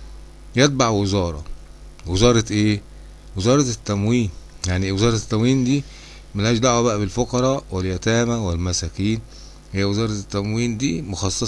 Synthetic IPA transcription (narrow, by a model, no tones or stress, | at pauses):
jet̪̚baʕwezɑːɾˤɑ̰ | wezɑːɾˤɑʔeː | wezɑːɾˤɑt̪ːæmwiːn | jaʕniwezɑːɾˤɑt̪ːæmwiːnd̪iː | mælhæːʃd̪aʕwæbæʔæbelfoqɑɾˤɑːweljæt̪æːmæwelmæsækiːn | hɪjːæwezɑːɾˤɑt̪ːæmwiːnd̪iːmoxɑsˤːɑ